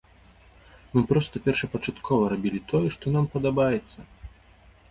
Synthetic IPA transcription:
mɨpɾɔst̪ɐpʲɛrʂɐpɐt͡ʂat̪kʰɔvɐɾabʲilʲit̪ʰɔjɛʂt̪ɔnampɐd̪abajɛt̪sːɐ

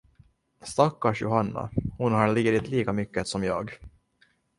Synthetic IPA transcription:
st̪akːaʂjʊ̰hanːa̰hʊnɦaɾɭiːɾɪt̪liːkamʏkːət̪sɔmjɑ̰ːɡ

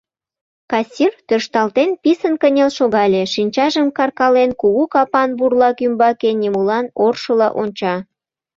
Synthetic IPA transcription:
kɑsʲirt̪øʃt̪ɑlt̪enpisənkənʲelʃoɣɑlʲeʃinʲt͡ɕɑʒəmkɑrkɑlenkuɣukɑpɑnburlɑkymbɑkenʲimulɑnorʃəlɑʔonʲt͡ɕɑ

